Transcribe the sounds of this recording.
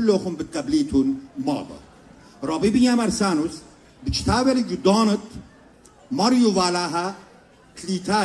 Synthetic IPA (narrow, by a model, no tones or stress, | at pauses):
lːoːxumbɨt̪ːɐbliːt̪ʰunmɑ̰ːbɐ̰ | ɾˤɑːbibijamɐɾsaːnus | bɨt͡ʃʰt̪ʰaːweɾid͡ʒud̪ɔːnɨt̪ | mɐɾjuvaːlaːɦa | k̪ʰliːt̪ʰaː